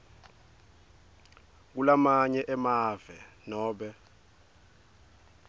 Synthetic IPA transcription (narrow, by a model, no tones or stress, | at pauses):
k̬ulamaɲɛʔɛmaːv̥ɛ | nɔːɓɛ